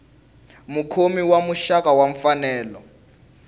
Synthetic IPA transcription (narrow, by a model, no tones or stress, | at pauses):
mukʰomiwamuʃakawaɱ̩fanɛːlɔ